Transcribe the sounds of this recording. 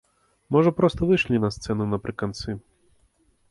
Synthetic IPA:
mɔʐɐpɾɔst̪ɔʋɪʃlʲinɐst̪sɛnʊnɐpɾɪkɐnt̪sɨ

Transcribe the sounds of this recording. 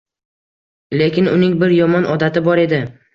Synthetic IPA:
le̞kʲɪnʊnɪŋbɪɾjɒmɒnʔɒd̪at̪ɪbɒɾe̞d̪ɪ

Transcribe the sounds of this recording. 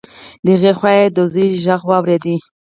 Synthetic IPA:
d̪əɪɣexwajed̪əziʒaɣwɑwɾed̪i

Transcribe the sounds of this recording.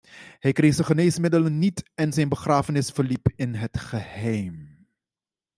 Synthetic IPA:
hɛjkreːχsəχəneːsmɪdələnːitɛnzɛjnbəχraːfənɪsfəɹlipɪnɦətχəhɛjm

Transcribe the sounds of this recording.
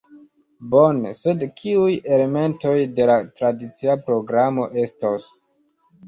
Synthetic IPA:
bo̞nese̞dkʰiuje̞le̞me̞nto̞jde̞latɾadit͡siapɾo̞ɡɾamo̞ʔe̞stos

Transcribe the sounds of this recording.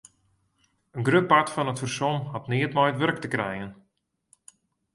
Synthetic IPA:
ənɡrøp̚atfɔnətfərsɔmɦɑtniətmɔjətʋɵrk̚təkrɛjən

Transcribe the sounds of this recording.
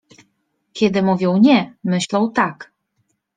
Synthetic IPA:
kʲɛd̪ɘmuvʲjɔwɲɛmɘɕlɔ̃wt̪ak

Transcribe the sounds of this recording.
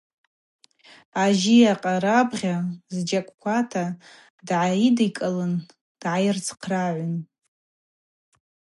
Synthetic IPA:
aʒiaqʼaɾabʁʲazd͡ʒakʷʼkʷatʰa | dʕaidikʼalɨn | d̥ʕajɪrt͡sʰqʰraʕʷʊn

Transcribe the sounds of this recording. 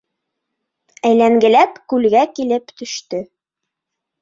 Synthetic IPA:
æjlæŋɡɘ̆læpkʉlɡækilɘpt̪ɵ̆ʃt̪ɵ

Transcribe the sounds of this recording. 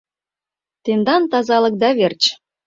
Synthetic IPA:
t̪end̪ɑnt̪ɑzɑlɤ̆k̚d̪ɑβert͡ɕ

